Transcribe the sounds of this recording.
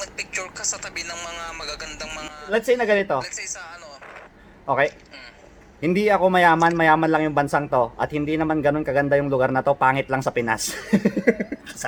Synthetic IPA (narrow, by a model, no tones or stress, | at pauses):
mɐɡ̚pɪk̚t͡ʃʊɾkɐsɐt̪ɐbɪnɐŋmɐŋamɐɡaɡɐnd̪ɐŋmɐlɐd̪sɪjnɐɡɐnɪt̪o̞ɐno | ʔo̞ːkɛj | hɪnd̪iɐko̞mɐjaːmɐnmɐjaːmɐnlɐŋjʊŋbɐnsaŋt̪o̞ʔɐt̪̚hɪnd̪inɐmanɡɐno̞nkɐɡɐnd̪ajʊŋlʊɡaɾnɐt̪o̞paːŋɪt̪lɐŋsɐpɪna̰s